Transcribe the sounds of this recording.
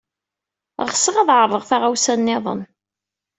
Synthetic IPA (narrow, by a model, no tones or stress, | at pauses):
ʁsːəʁɑðʕərˤəʁθaʁæwsænːɪðˤə̰n